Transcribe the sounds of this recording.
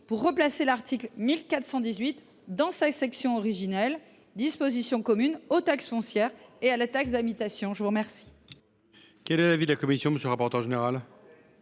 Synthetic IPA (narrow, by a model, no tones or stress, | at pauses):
puʁːəplaselaʁt̪ʰiklmilkat̪χsɑ̃d̪izɥit̪ | d̪ɑ̃sasɛksjɔ̃ɔʁiʒinɛl | d̪ispozisjɔ̃kɔmynot̪aksfɔ̃sjɛʁealat̪aksd̪amit̪asjɔ̃ʒəvuʁmɛʁsi̥ | kʲɛlɛlavid̪əlakɔmisjɔ̃məsjəlʁapɔʁt̪œʁʒeneʁal